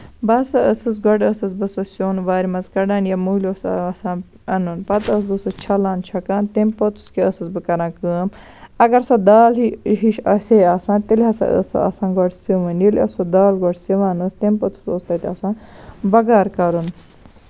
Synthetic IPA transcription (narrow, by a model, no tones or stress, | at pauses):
bɐsɐəsɨs̬ɡɔʈɐsɐzbɨsosʲoːnʋaːɾʲimɐzkɐɖaːnjamulʲoːssãː | ɐnunpɐt̪ɐsbɨsot͡ʃʰɐlaːnt͡ʃʰɐkaːnt̪empɐt̪u̥skeɐsɐzbɨkɐɾãːkəːm | ɐɡɐɾsod̪aːliɦiʃɐsʲeːaːsãːnt̪elʲɦɐsɐ̰ə̰sɐ̰ɐ̰sãːnɡoʈsiʋɐnjilʲɐsod̪aːlɡoʈsiʋaːnoːst̪empɐt̪u̥soːst̪ɐt̪ʲɐsãːnbɐɡaːɾkɐɾun